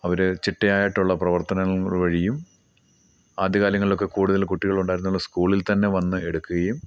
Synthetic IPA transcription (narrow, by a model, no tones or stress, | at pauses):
ɐʋɐɾet͡ɕiʈːɐjaːjaːiʈːuɭːɐprɐʋɐrt̪ɐnɐʋɐɻijum | aːd̪ʱjɐkaːljɐŋːɐɭilo̞kːe̞kuːɽuðɐlkuʈːiɣɐɭuɳɖaːjɾunːuɭːɐskuːɭilt̪ɐnːe̞ʋɐnːɨe̞ɽukːuɣɐjum